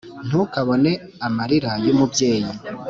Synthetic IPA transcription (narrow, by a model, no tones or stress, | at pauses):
n̥ukaβo̞ne̞ | amaɾiɾajumubje̞ːji